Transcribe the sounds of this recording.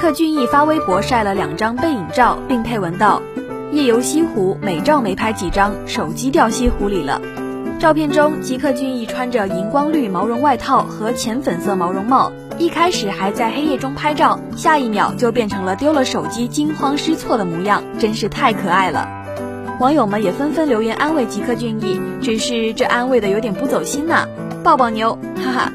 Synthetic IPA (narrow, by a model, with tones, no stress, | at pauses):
kʰɤ˥˧t͡ɕy˥˧ni˥˩fa˥we˥ɪpwɔ˧˥ʂa˥˩ɪlə˩ljɑ˨˩ŋʈ͡ʂɑ˥ŋpe˥˩ɪi˨˩ŋʈ͡ʂɑ˥˧ʊpi˥˧ŋpʰe˥˩ɪwə˧˥nt̪ɑ˥˧ʊ | jɛ˥˩jo˧˥ʊɕi˥xu˧˥me˨˩ɪʈ͡ʂɑ˥˩ʊme˧˥ɪpʰa˥ɪt͡ɕi˨˩ʈ͡ʂɑ˥ŋ | ʂo˨˩ʊt͡ɕi˥t̪jɑ˥˩ʊɕi˥xu˧˥li˨˩lə̰˦ | ʈ͡ʂɑ˥˧ʊpʰjɛ˥˩nʈ͡ʂʊ˥ŋt͡ɕi˧˥kʰɤ˥˧t͡ɕy˥˧ni˥˩ʈ͡ʂʰwa˥nʈ͡ʂə˨i˧˥nkwɑ˥ŋly˥˩mɑ˧˥ʊɻʊ˧˥ŋwa˥˧ɪt̪ʰɑ˥˩ʊxɤ˧˥t͡ɕʰjɛ˧˥nfə˨˩nsɤ˥˩mɑ˧˥ʊɻʊ˧˥ŋmɑ˥˩ʊ | i˥˩kʰa˥ɪʂɻ̩˨˩xa˧˥ɪt͡sa˥˩ɪxe˥ɪjɛ˥˩ʈ͡ʂʊ˥ŋpʰa˥ɪʈ͡ʂɑ˥˩ʊ | ɕja˥˧i˥˩mjɑ̰˨˩ʊt͡ɕjo˥˧ʊpjɛ˥˩nʈ͡ʂʰɤ˧˥ŋlə˧t̪jo˥ʊlə˨ʂo˨˩ʊt͡ɕi˥t͡ɕi˥nxwɑ˥ŋʂɻ̩˥t͡sʰwɔ˥˩d̪ə˩mu˧˥jɑ˥˩ŋʈ͡ʂə˥nʂɻ̩˥˧t̪ʰa˥˩ɪkʰɤ˨˩a˥˩ɪlə̰˩ | wɑ˧˥ŋjo˨˩ʊmə˧˦njɛ˨˩fə˥nfə˥nljo˧˥ʊjɛ˧˥nʔa˥nwe˥˩ɪt͡ɕi˧˥kʰɤ˥˧t͡ɕy˥˧ni˥˩ʈ͡ʂɻ̩˨˩ʂɻ̩˥˧ʈ͡ʂɤ˥˩ʔa˥nwe˥˩ɪd̪ə˩jo˧˥t̪jɛ˨˩pu˥˩t͡so˨˩ʊɕi˥nnə̰˨ | pɑ˥˩ʊpɑ˥˩ŋnjo˧˥ʊ | a˥